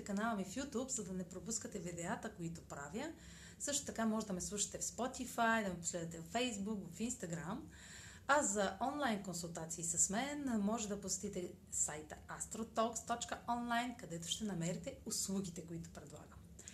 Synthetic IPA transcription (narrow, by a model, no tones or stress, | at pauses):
t̪ɛkɐnalˠəmifjut̪upzɐd̪ɐnɛpɾopuskət̪ɛvid̪ɛat̪əkoit̪ʊpɾavjə | sɤʃt̪o̥t̪ɐkamɔʒɛd̪ɐmɛslˠuʃɐ̥t̪ɛfspɔt̪ifajd̪ɐmɛposlɛd̪ət̪ɛvfɛjzbukvɐfinst̪ɐɡɾam | ɐzɐʔɔnlˠajnkonsulˠt̪at̪siːsɐsmɛnmɔʒɛd̪ɐposɛ̥t̪it̪ɛ | sajt̪əast̪ɾot̪ɔkst̪ɔt͡ʃkəɔnlˠajnkɐd̪ɛt̪ʊ̥ʃt̪ɛnɐmɛɾit̪ɛʊslˠuɡ̟ʲit̪ɛkoit̪ʊ̥pɾɛd̪lˠa̰ɡəm